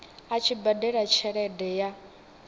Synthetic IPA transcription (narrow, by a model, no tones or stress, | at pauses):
at͡ʃʰibadɛɺat͡ʃʰɛɺɛdɛja